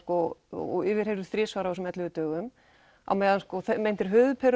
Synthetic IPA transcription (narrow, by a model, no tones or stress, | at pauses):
kɔ̰ɔ̰ɪvɪɾ̥hejɾʏ̥θɾɪsvaːɾaɔsɛmɛt̪lɪvɪt̪œːɣʏm | a̰wmɛjðanskɔθmejnt̪ɪɾ̥ɦʏːðʏpʰɛɾ